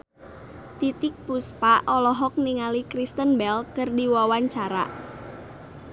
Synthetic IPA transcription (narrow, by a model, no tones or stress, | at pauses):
t̪it̪ɪk̚puspaʔɔlɔɦɔk̚niŋalikɾist̪ənbɛlkərdiwawaɲt͡ʃaɾa̰